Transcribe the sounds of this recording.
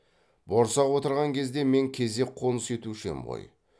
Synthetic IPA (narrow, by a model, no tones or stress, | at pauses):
bo̞ɾsɑwot̪əɾʁɑŋkʲʰe̞zd̪e̞me̞ŋkʲʰe̞ze̞qʰo̞nəse̞t̪uʃɪmʁo̰j